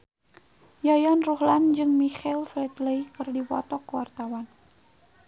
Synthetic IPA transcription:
jajɔnruhland͡ʒɨŋmixɛlfɾɛt̪ləikɨrdipɔ̰t̪ɔkːəwart̪awan

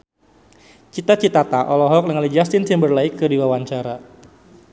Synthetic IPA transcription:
t͡ʃit̪at͡ʃit̪at̪aʔɔlɔɦɔk̚nəŋalid͡ʒast̪ɪnsambərlaikːɨdiwawaɲt͡ʃaɾa

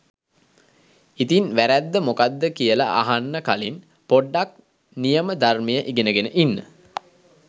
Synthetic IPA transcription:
it̪inʋæɾæd̪ːəmokad̪ːəkijəlaʔa̰ɦanːəkalin | poɖːak̚ | nijəməd̪armejəʔiɡenəɡenəʔinːə̰

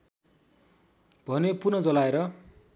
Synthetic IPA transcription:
b̥ʱʌnepunʌd͡zʌlaeɾʌ

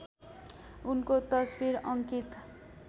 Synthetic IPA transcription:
unkot̪ʌsbiɾʌŋkit̪

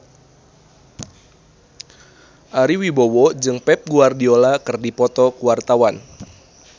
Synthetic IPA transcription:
ʔaɾiwibowɔd͡ʒɨŋpɛp̚ɡuardiolakɨrdipɔt̪ɔkuwart̪awan

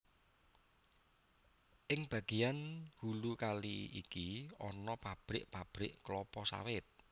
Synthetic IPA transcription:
ʔɪŋb̥a̤ɡ̥i̤janhulukaliḭkiɔnɔpab̥ɾɪʔpab̥ɾɪʔklɔpɔsa̰wɪt̪̚

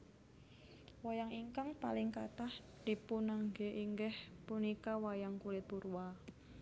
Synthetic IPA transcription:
wajaŋiŋkaŋpa̰lɪŋkat̪ah | d̥i̤punaŋɡeʔiŋɡɛhpunikawajaŋkulɪt̪̚burwa

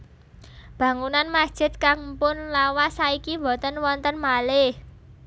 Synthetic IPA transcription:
b̥ä̤ŋunanmasd̥ʒ̥ɪ̤t̪̚kaŋpʊnlawasaikibɔ̤t̪ənwɔnt̪ənmalɪh

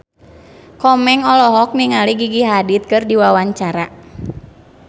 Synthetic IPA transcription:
kɔmɛŋɔlɔɦɔk̚niŋaliɡiɡiɦadit̪̚kɨrdiwawaɲt͡ʃaɾa

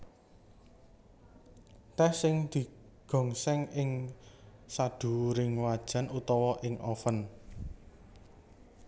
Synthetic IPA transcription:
t̪ɛhsɪŋd̪̥i̤ɡ̥ɔ̤ŋsɛŋɪŋ | sad̪̥ṳɾɪŋwad̥ʒ̥a̤nut̪ɔwɔʔɪŋʔɔfən

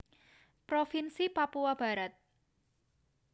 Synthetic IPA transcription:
pɾofinsipapuab̥a̤ɾat̪̚

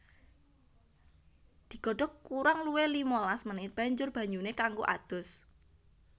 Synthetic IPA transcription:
d̪̥i̤ɡ̥ɔ̤ɖ̥ɔ̤kuɾaŋluwelimolasmənɪt̪̚b̥a̤ɲd͡ʒʊrb̥a̤ɲunekaŋɡo̰ʔa̰d̪̥ʊ̤s

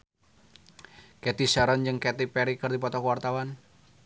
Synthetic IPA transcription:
kɛt̪isaɾɔnd͡ʒɨŋkɛt̪ipɛɾikərd̪ipɔt̪ɔkwart̪awan

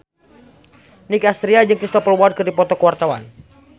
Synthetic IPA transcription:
nikast̪ɾiad͡ʒɨŋkɾist̪ɔpəlwɔd̪̚kɨrdipɔt̪ɔkəwart̪awa̰n

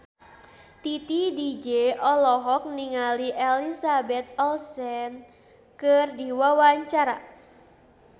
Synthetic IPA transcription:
t̪it̪idid͡ʒeʔɔlɔɦɔk̚niŋaliʔelisabɛt̪̚ɔlsɛn | kərdiwawaɲt͡ʃaɾa̰

